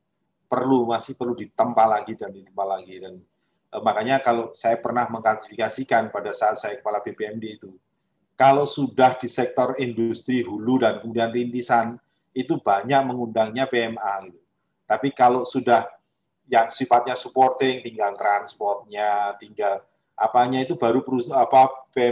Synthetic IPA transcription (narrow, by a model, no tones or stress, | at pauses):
pərlumasɪhpərludit̪əmpalaɡidandit̪əmpalaɡidan | ʔəmakaɲakalosajapərnahməŋkat̪ifikasikanpadasat̪̚sajakə̥palabepeɛmdeit̪u | kalosudahdisɛk̚t̪ɔrindust̪ɾiɦuludankəmudianrint̪isan | it̪ubaɲak̚məŋundaŋɲapeɛmaɡit̪u | t̪apikalosudah | jaŋsifat̪̚ɲasupɔrt̪ɪŋt̪iŋɡalt̪ɾanspɔrt̪̚ɲat̪iŋɡal | ʔa̰paɲait̪ubaɾupəɾusapapeɛ